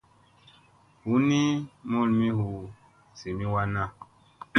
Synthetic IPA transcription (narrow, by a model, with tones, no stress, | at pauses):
hu˦ni˦mo˦lmĩ˦ɦu˨ | si˨mĩ˦wa˦na˦